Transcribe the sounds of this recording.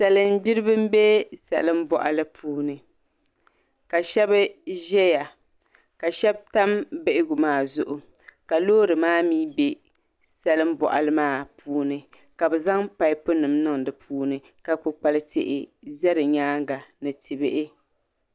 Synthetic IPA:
sɛ˨lɨ˦nbi˦ɾɨ˦bɨ˦m˦be˦sɛ̰˨lɨ˦mbɔ̰˨ʔa̰˨lɨ˦pʰuː˦nɨ˨ | ka˨ʃɛ˦bɨ˦ʒɛ˦ja˨ | ka˨ʃɛ˦b̚ta˦mbɪ˨ʔɪ˦ɡʊ˨maː˦zʊ˨ʔʊ˨ | ka˨loː˦ɾɨ˨maː˦miː˦be˦ | sɛ˨lɨ˦mbɔ̰˨ʔa̰˨lɨ˦maː˦pʰuː˦nɨ˨ | ka˨bɛ˨za˦ŋpa˨ɪ˦pʊ˦nɨ˨mnɨ˦ŋdɨ˨pʰuː˦nɨ˨ | ka˨k͡pʊ˨k͡pa˨lɨ˦tḛ˨ʔɪ̰˨zɛ˦ɾɨ˨ɲaː˦ŋɡa˨nɨ˨tɨ˨bɪ˦ʔɪ˦

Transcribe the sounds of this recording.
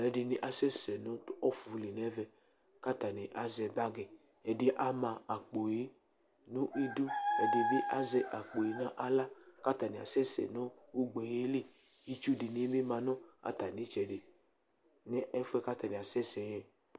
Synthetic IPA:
lɛ˨˦di˧nĩ˨ʔa˨sɛ˦sɛ˨nõ˨˦tɔ˦fu˨˦li˨nɛ˦vɛ˧ | ka˦ta˨ni˨ʔa˨zɛ˧ba˦ɡɛ˨ | ɛ˨de˦ʔa˦mã˧a˨k͡po˨je˨˦ | nũ˦ʔi˧du˦ɛ˨di˧bi˦ʔa˦zɛ˧ʔa˨k͡po˨e˨nã˦ʔa˧la˦ka˦ta˨nĩ˨a̰˨sɛ˦sɛ̰˨nɔ˦u˦ɡ͡bɛ˨je˦le˦˨ | i˧t͡ʃu˦di˨ni˦bi˦mã˧nɔ̃˦a̰˨ta˨nĩ˨˦t͡ʃɛ˨de˨ | nɛ˦ʔɛ˧fu˦ɛ˧ka˦ta˨nĩ˨a˨sɛ˦sɛ˨jɛ˨

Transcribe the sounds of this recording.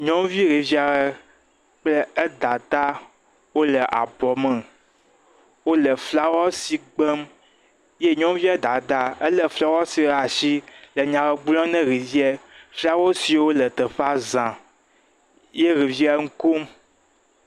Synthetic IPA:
ɲɔ̃˦vi˦ɣi˨vi˦a˨ɾɛ˦ | k͡plə˦ə˦d̪a˨t̪a˦ | wo˦lə˨ʔa̰˨bɔ˨mɛ˨ | wo˦lə˨fla˦wɔ˦si˨ɡ͡bə˦m | je˦ɲɔ̃˦vi˦ɛ˦d̪a˨t̪a˦ə˦lɛ˨fla˦wɔ˦si˨˦˨a˨ʃi˦lə˨ɲã˨wɛ˨ɡ͡blɔ̃˦nɛ̃˦ɣi˨vi˦ɛ˦fli˦a˦wɔ˦si˨˦˨wo˦lə˨t̪ə˨ɸa˦zã˨ | je˦ɣi˨vi˦a˦ŋ̩˦ko˦m

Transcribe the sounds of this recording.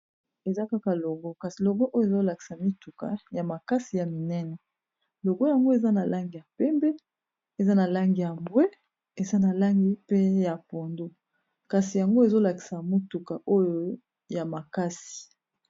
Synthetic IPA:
e˨za˦ka˦ka˨lo˨ɡo˦ka˨si˨lo˨ɡo˦ʔo˦jo˦e˨zo˦la˨ki̥˨sa˨mi˦tu˨ka̰˨ja˨ma˨ka˦si˨ja˨mi˨nɛ˦nɛ˨ | lo˨ɡo˦ja˨ŋɡo˦e˨za˦na˨la˦ŋɡi˨ja˨pɛ˦mbɛ˦ | e˨za˦na˨la˦ŋɡi˨ja˨mbwe˦ | e˨za˦na˨la˦ŋɡi˦pe˦ja˨po˨ndo˦ | ka˨si˨ja˨ŋɡo˦e˨zo˦la˨ki̥˨sa˨mo˦tu˨ka˨ʔo˦jo˦ | ja˨ma˨ka˦si̥˨

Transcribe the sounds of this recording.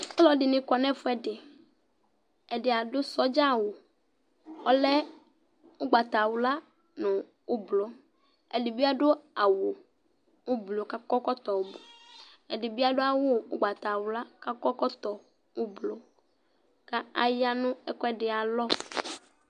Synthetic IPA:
ɔ˦lɔ˨dɪ˨nɪ̃˨kɔ˨nɛ̃˦fʊ˦ɛ˨dɪ˨ | ɛ˨dɪ˨a˨dʊ˦sɔ˦d͡ʒa˦˨wʊ˨ | ɔ˦lɛ˦ | ʊ˦ɡ͡ba˨t̪a˨wʊ˨la˦ | nʊ̃˨ | ʊ˦blo˦ | ɛ˨dɪ˨bi˦a˦dʊ˦a˨wʊ˨ | ʊ˦blo˨ka˦kɔ˦kɔ˦t̪ɔ˨wʊ˨blo˨ | ɛ˨dɪ˨bi˦a˦dʊ˦a˦wʊ˦ʊ˦ɡ͡ba˨t̪a˨wʊ˨la˦ka˦kɔ˦kɔ˦t̪ɔ˨ | ʊ˦blo˨ | ka˦a˨ja˦nʊ̃˦ɛ˦kɔ˦ɛ˦dɪ˨a˨lɔ˦

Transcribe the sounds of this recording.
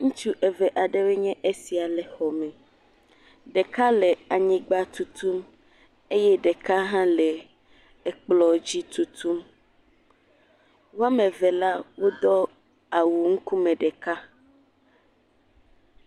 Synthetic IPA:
ŋũ˦t͡ʃu˦ʔe˨vɛ˨ʔa˨ɖe˦we˦ɲɛ̃˦ʔe˦si˨a˨lɛ˨xɔ˨mɛ̃˨ | ɖe˨ka˦le˨a˨ɲĩ˦ɡ͡ba˦t̪u˨t̪u˦m | e˦jɛ˦ɖe˨ka˦ɦã˦le˨ | e˨k͡plɔ˨d͡ʑi˦t̪u˦t̪ʰu˦m | wo˦a˦mẽ˨vɛ˨la˦wo˦d̪ɔ˦ | a˨wu˨ŋ̩˦ku˦mɛ̃˨ɖɛ˨ka˦

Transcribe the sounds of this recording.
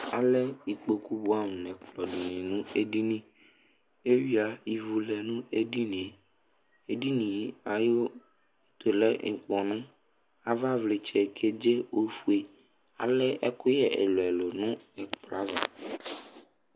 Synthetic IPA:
a˨lɛ˦i˨k͡po˨ku˦bu˦a˦ŋũ˨nɛ̃˨k͡plɔ˨ɖi˨nĩ˨nũ˦e˦ɖi˦nĩ˦ | e˦wi˦a˨i˨vu˨lɛ˨nũ˦e˦di˦nĩ˨ | e˨ɖi˦nĩ˨i˦a˨jo˦ | e˦t̪o˨lɛ˦ŋ̩˨k͡pɔ˨nũ˦ | a˨va˦vle˨t͡ʃɛ˨kʰe˦d͡ʒe˦o˦fu˦e˨ | a̰˨lɛ˦ɛ˦kʊ˦jɛ˨ʔḛ˨lo˨ɛ˨lo˨nũ˦ɛ˨k͡pla˦za̰˨

